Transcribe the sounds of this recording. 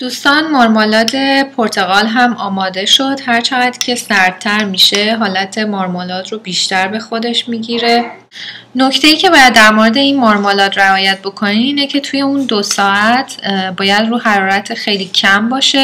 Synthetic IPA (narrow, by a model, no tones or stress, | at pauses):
d̪̥uːst̪ɒːnmoɾmolɒːt̪ʰe̞pʰoɾt̪ʰe̞ɣɒːlɦæmʔɒːmɒːd̪e̞ʃo̞d̪̥hæɾt͡ʃʰeɣæd̪̥cʰe̞sæɾd̪̚t̪ʰːæɾmiːʃe̞ɦɒːlæt̪ʰe̞moɾmolɒːt̪robiːʃt̪æɾbe̞xo̞d̪e̞ʃmiːɟiːɾe̞ | no̞cʰt̪ʰe̞jiːcʰe̞bɒːjæd̪ːæɾmoɾed̪e̞inmoɾmolɒːt̪ɾeɒːjæt̪̚bo̞kʰo̞niːne̞cʰe̞t̪ʰuːje̞und̪osɒːæt̪ʰbɒːjæd̪ruːɦæɾɒːɾæt̪ʰexe̞jliːcʰæmbɒːʃe̞